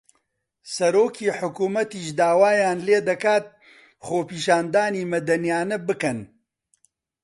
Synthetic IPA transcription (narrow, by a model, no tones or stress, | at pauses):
sɐɾoːkʰiːħʊkuːmɐt̪iːʃd̪aːwaːjaːnleːd̪ɐkaːt̪̚ | χoːpiːʃaːnd̪aːniːmɐd̪ɐnjaːnɐbɨkɐn